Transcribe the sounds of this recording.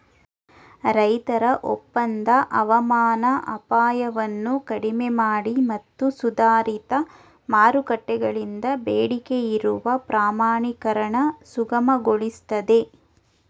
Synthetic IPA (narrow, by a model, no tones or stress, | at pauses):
ɾɐjt̪ɐɾɐʔopːɐnd̪ɐʔɐʋɐmaːnɐʔɐ̰paːjɐʋɐnːukɐɽimemaːɽimɐt̪ːusud̪aːɾit̪ɐ | maːɾukɐʈːɛɡɐɭind̪ɐbeːɽike̞iɾuʋɐpɾaːmaːɳikɐɾɐɳɐsuɡɐmɐɡoɭist̪ɐd̪e̞